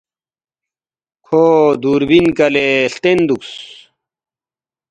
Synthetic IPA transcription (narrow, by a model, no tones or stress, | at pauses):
kʰod̪uːɾbinkɐleɬt̪end̪uks